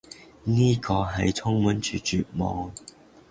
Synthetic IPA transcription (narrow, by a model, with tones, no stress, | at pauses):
niː˥kɔː˧ɦɐ˨jt͡sʰʊ˥ŋmuː˨˥nt͡ʃyː˨t͡ʃyː˨˩t̚mɔ̰ː˨˧ŋ